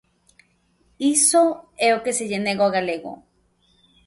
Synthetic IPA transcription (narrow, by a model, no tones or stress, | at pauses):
isoeokesejeneɣwaɣaleɣo̰